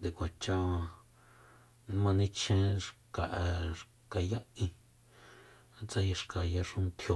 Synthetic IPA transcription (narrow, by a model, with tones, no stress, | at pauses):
d̪e˨kʷa˨t͡ʃa˦ã˧ | ñ˦mã˧nĩ˧t͡ʃʰẽ˦ʂka˨ʔʂ | ka˧ja˦ĩ˧ | t͡sa˧ja˧ʂka˨ja˧ʂũ˦˧nt̪ʰjo˧